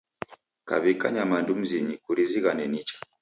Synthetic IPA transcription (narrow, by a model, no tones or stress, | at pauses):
ka̰βikaɲamandum̩ziɲikuɾiziɣanɛnit͡ʃḁ